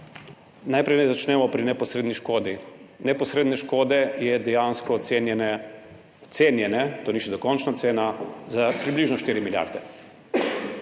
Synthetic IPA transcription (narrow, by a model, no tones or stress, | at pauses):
najpɾɛjnɛzat͡ʃnɛmɔpɾinɛpɔsɾeːd̪niʃkoːd̪inɛpɔsɾeːd̪nɛʃkoːd̪ɛjɛd̪ɛjaːnskɔːt̪seːnjɛnɛ | t̪seːnjɛnɛt̪oːniʃɛd̪ɔkɔnt͡ʃnat̪seːnazapɾibliːʒnɔʃt̪iːɾimilja̰ɾd̪ɛ